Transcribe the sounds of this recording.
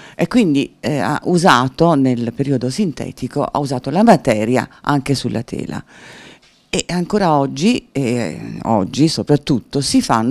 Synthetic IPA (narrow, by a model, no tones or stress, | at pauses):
ekːwind̪ia̰ʔuzaːt̪onelpeɾiod̪osint̪ɛ̰ːt̪ikoʔa̰uzaːt̪olamat̪ɛːɾja̰ʔaŋk̟esulʔa̰t̪ʰɛ̰ːla̰ | eʔaŋkoːɾaɔd͡ʒːieɔ̰d͡ʒːisopɾat̪ːut̪ːosifa̰nː